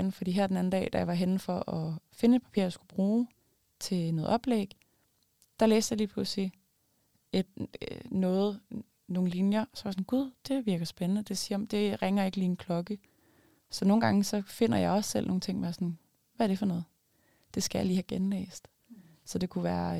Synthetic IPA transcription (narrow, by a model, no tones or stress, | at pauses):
n̩fɒd̥ḭːɦæɐd̥enæn̩d̥ɛ̰ːd̥æjɑ̈ʋɑ̈ɦenfɒ̽ʔɒ̽fe̝nəe̝d̥̚pʰæpʰḭɐ̰jɑsɡ̥ub̥ʁuː | t͡sʰe̝nɔ̽ːðˠɒ̽b̥lḛɡ̥ | d̥ɑ̈lḛːsd̥jɑ̈liːpʰusi | ed̥nɔ̽ːð̞̩ˠ | no̝ːn̩linjɐsɒʋɑ̈sɔ̽n̩ɡ̥uð̰ˠd̥e̝ʋiɐɡ̥ɐsb̥enənəd̥e̝siɐɒ̽md̥e̝ʁeŋɐe̝ɡ̥əliːnkʰlɒ̽ɡ̥ə | sɒ̽no̝ːn̩ɡ̥ɑ̈ŋəsɒ̽fe̝n̰ɐjɑɪɒ̽ssel̰no̝ːn̩t͡sʰe̝ŋ̰mesɒn | ʋæɐd̥e̝fɒnɔ̽ːð̞̩ˠ | d̥e̝sɡ̥æjɑ̈liːhæɡ̥enlḛːsd̥ | sɒ̽d̥e̝kʰuʋæːɐ